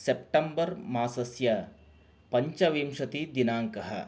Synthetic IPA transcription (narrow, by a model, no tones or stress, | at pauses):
sep̚ʈɐmbɐɾmaːsɐsjɐ | pɐɲt͡ʃɐʋiːmʂɐt̪id̪inaːŋkɐɦɐ̰